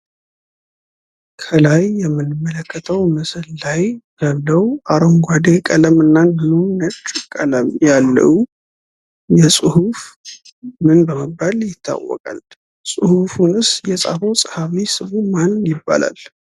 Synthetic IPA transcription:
kʰəlajːɛmːɨnːɨmːələkːət̪ʰəwmɨslːajbəβləwʔaɾoŋɡʷad̪ekʼələmɨnːand̪ɨlunət͡ʃʼkʼələmjalːə̰wu | jɛsʼɨhuf | mɨnbəməbːaljɪt̪ʰːa̰wːɔ̰kʼa̰l | sʼɨhufunɨsjɛsʼa̰fəwsʼəhaβisɨβumanjɪbːa̰la̰l

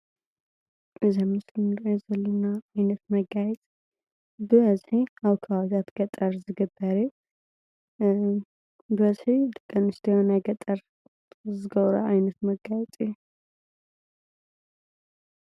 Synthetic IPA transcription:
ʔɨzamɨsnɛzɐlːɨnaajnət̪mɐɡajɛt̪ʼ | bɨβəzħiawkʰawzat̪ɡ̥ɐt̪ʼəɾzɨɡɨbːəɾi | bɨβəzħid̪ɨkʼːɨnɨst̪ʰjɛhonaɡət̪ʼəɾ | zɨɡəβɾɐ̰ajnɐt̪mɐɡajɛt̪ʼi

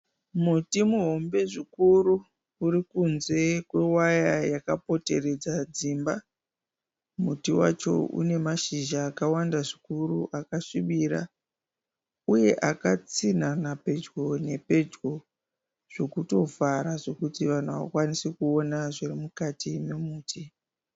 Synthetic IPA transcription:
mutimuɦo̞mbe̞ʐikuru | uɾikunze̞kwe̞wajajakapo̞te̞re̞d͡zad͡zimba | mutiwa̰t͡ʃo̞̰ṵne̞maʃiʒaːkawandaʐikuruʔakaʃiɓiɾa̰ | uje̞ʔakat͡sinanape̞d͡ʒɡo̞ne̞pe̞d͡ʒɡo̞ | ʐ̥o̞kuto̞vaɾaʐo̞kutiʋan̤uawa̰kwanisikuo̞naʐirimukatimemuːtʰi

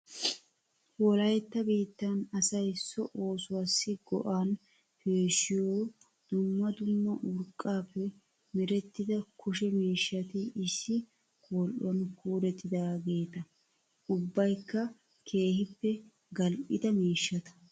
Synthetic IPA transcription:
wɔlɐjɛt̪ːɐbiːt̪ːɐnɐsɐjsːɔʔo̞ːsʊwaːsːɪɡɔʔaːn | peːʃɪjoː | d̪̥ʊmːɐd̪ʊmːɔʔʊɾkʼːaːpːɛ | mɪɾɛt̪ːɪd̪ɐkʊʃɛmiːʃːɐt̪ɪɪsːɪ | kʰɔːlʔɔnkuːɾɛt̪ːɪd̪aːɡe̞ːt̪ɐ | ʊbːɐjkːɐ | kʰe̞ːhɪpːɛ | ɡɐlʔɪd̪ɐmiːʃːɐt̪ɐ̥

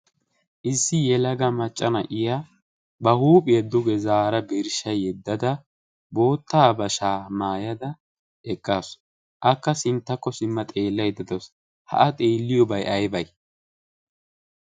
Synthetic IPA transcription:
ʔɪsːɪjɛlɐɡɐmɐt͡ʃʼːɐnɐʔɪja | bɐhuːpʼɪjɐd̪ʊɡɛzaːɾɐbeɾɪʃɐjɛd̪ːɐd̪ɐ | bo̞ːt̪ːaːbɐʃaːmaːjɐd̪ɐ | ʔɛkʼːas | ʔɐkːɐsɪnt̪ːɐkːɔsɪmːɐt̪ʼe̞ːlːɐjd̪ɐd̪ɔs | hɐ̰ʔɐt̪ʼeːlːɪjɔbɐjʔɐjbɐj

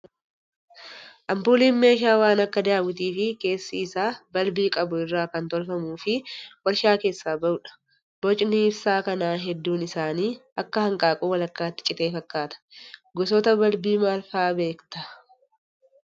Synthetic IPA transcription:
ʔɐmpuːliːnme̞ːʃ̬aːwaːnɐkːɐd̪ɪaːbʊt̪̬iːfɪke̞ːsːɐɪsaːbɐlbiːkʼɐbʊɪrːaːkɐnt̪ɔlfɐmuːfɪwɐɾʃaːke̞ːsːaːbɐʊᶑɐ̥ | b̥ɔt͡ʃʼnɪːbsaːkɐnaːɦɛd̪ːuːnɪsaːniːɐkːɐhɐŋkʼaːkʼuːwɐlɐkːaːt̪ːɪ̥t͡ʃʼɪt̪e̞ːfɐkːaːt̪ɐ̥ɡɔsɔt̪ɐbɐlbiːmaːlfaːbe̞ːkt̪ɐ

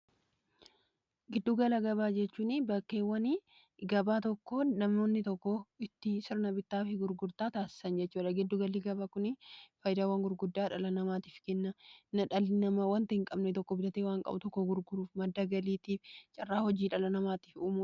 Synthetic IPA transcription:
ɡɪd̪ːuːɡɐlɐɡɐbaːd͡ʒɛt͡ʃːuːnɪbɐkːeːwɐni | ɡɐbaːt̪ɔkːonɐmːo̞ːnːɪt̪ɔkːɔɪt̪ːɪsɪɾnɐbɪt̪ːaːfɪɡʊɾɡʊɾt̪aːt̪aːsɪ̥sɐnd͡ʒɛtːt͡ʃːuːᶑɐɡɪd̪ːuɡɐliɡɐbakʊnɪfɐjd̪aːwɐŋɡʊɾɡʊd̪ːaːᶑɐlɐnɐmaːt̪i̥ːfkɛnːɐnɐᶑɐlːɪnɐmɐwɐnt̪ɐhɪŋkʼɐbnɛt̪ɔkːɔbɪlɐt̪eːwaːŋkʼɐ̰bʊ̰t̪ɔkːɔɡʊɾɡʊɾuːfmɐd̪ːaɡɐliːt̪iːft͡ʃʼɐrːaːhɔd͡ʒiːᶑɐlɐnɐmaːt̪iːfuːmuː

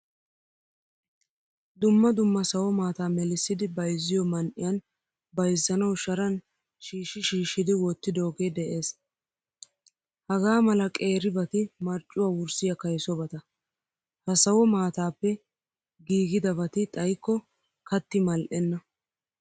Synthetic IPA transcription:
d̪ʊmːɐd̪ʊmːɐsɐwɔmaːt̪aːmɛlɪsːɪd̪ɪbɐjzːɪjɔmɐnʔɪjɐn | bɐjzːɐnɐwʃɐɾɐn | ʃiːʃɪʃiːʃːɪd̪ɪwɔt̪ːɪd̪oːɡe̞ːd̪ɛʔe̞ːs | hɐɡaːmɐlɐkʼe̞ːɾɪbɐt̪ɪmɐɾt͡ʃʼːʊwaːwʊɾsɪjɐkɐjsɔbɐt̪ɐ | hɐsɐwɔmaːt̪aːpːɛ | ɡiːɡɪd̪ɐbɐt̪ɪt̪ʼɐjkːɔ | kɐt̪ːɪmɐlʔɛnːɐ

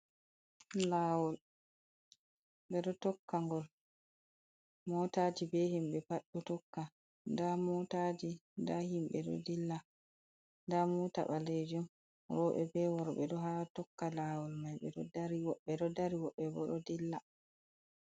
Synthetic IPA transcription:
laːwɔl | ɓɛɗɔtɔkːaŋɡɔl | mɔtad͡ʒibɛhimɓɛpaɗːutɔkːa | ndamɔtad͡ʒindahimɓɛ̰ɗɔ̰dilːa | ndamuta̰ɓaled͡ʒum | ɾɔɓɛ̰bɛwɔɾɔɓɛɗɔɦatɔkːalawɔlmajɓɛ̰ɗɔdaɾiwɔɓɛɗɔdaɾiwɔɓɛbɔ̰ɗɔdilːa

